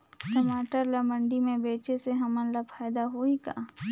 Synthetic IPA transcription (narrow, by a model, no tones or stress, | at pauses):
ʈɐmaːʈəɾlɐmə̃ɳɖimẽbeːt͡ʃeseɦɐmə̃nləpʰaːjd̪aɦoika̰ː